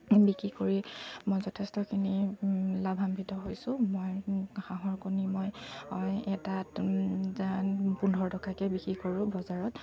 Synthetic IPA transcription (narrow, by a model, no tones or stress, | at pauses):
bikɹikoɹimojzɔtʰestɔkʰinilabʱambʱitɔɦojsʊ̃mojxaɦɔɹkonimojɔɛtatzapundʱɔɹdɔkakɛbikɹikoɹʊ̃bɔzaɹɔt